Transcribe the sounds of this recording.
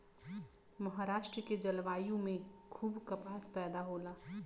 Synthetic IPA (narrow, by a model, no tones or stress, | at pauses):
mɐɦaːɾaːʃʈɾəked͡ʒɐlʋaːjõmẽkʰuːbkɐpaːspɛːd̪aɦoːlaː